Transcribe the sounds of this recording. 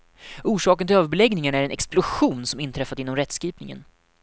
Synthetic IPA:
uːʂɑːkənɪløːvəɾbɛlɛɡnɪŋanɳaæɾɛnɛksplʊɧuːnsɔmɪnt̪ʰɾɛfːad̪ɪnːɔmɾɛt̪ːskɾiːpnɪŋə̰n

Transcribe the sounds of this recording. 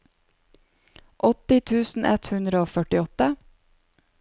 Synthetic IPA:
ʔɔt̪ɪt̪ʰʉːsn̩ʔɛt̪hʉnd̪ɾəoːfœʈɪɔt̪ə

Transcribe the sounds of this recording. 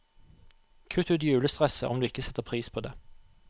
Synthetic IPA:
kʰʉt̪ʉːt̪jʉːləst̪ʁɛsə̰ʔɔmd̪ʉːɪkəsɛt̪ːəʁpʰʁiːspʰoːd̪ḛː

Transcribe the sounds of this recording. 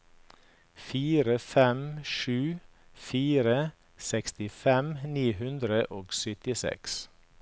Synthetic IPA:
fiːɾəfɛmʃʉːfiːɾə | sɛkst̪ɪfɛmniːhʉnd̪ɾəʔoːɡsʏt̪ɪsɛ̰ks

